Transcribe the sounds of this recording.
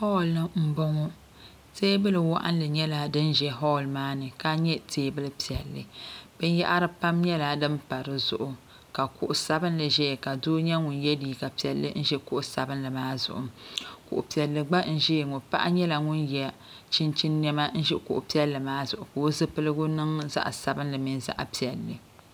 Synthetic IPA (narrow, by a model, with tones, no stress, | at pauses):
hɔ˦˨lnɨ˦m̩˦bɔ˦ŋɔ˦ | teː˦bɨ˦lɨ˨wa̰˦ʔa̰˦n˦lɨ˨ɲɛ˦la˨dɨ˦nʒɛ˦ɦɔ˦˨lmaː˦nɨ˨ka˦ɲɛ˦tʰeː˦bɨ˦lɨ˦pi˨ɛ˨lːɨ̰˨b̥ɨ˦n˦jɛ˦ʔa˦ɾɨ˦pa˦mɲɛ˦la˨dɨ˦mpa˨ɾɨ˨zʊ̰˨ʔʊ˨ | ka˨kʊ˦ʔʊ˨sa˦bɨ˦nlɨ˨ʒɛ˦˨ka˨doː˦ɲɛ˦ŋʊ˨njɛ˦diː˨ka˨pi˨ɛ˨lːɨ̰˦n̩˦ʒɛ˦kʊ˦ʔʊ˨˦sa˨bɨ˦nlɨ˨maː˦zʊ̰˨ʔʊ̰˨kʊ̰˨ʔʊ˨pi˨ɛ˨lːɨ˨ɡ͡ba˦n̩˦ʒɛ˦˨ŋʊ˨pa̰˦ʔa̰˦ɲɛ˦la˨ŋʊ˦njɛ˨ | t͡ʃi˦nt͡ʃi˦nːɛ˦ma˦n̩˦ʒɛ˦kʊ̰˨ʔʊ˨pi˦ɛ˦lːɨ˨maː˦zʊ˨ʔʊ˨ko˦zɨ˦pɨ˦lɨ˦ɡʊ˦nɨ˦ŋza̰˦ʔsa˨bɨ˦nlɨ˨mi˦nza̰˦˨ʔpi˨ɛ˨lːɨ˨